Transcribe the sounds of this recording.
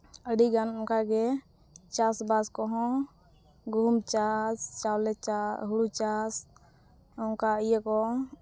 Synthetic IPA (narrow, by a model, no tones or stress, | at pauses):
əɖiɡanɔŋkaɡɛ | t͡ʃasbaskɔɦɔ̃ | ɡʱumt͡ʃast͡ʃawlɛt͡ʃaɦuɽut͡ʃas | ɔŋkaəjɛkɔ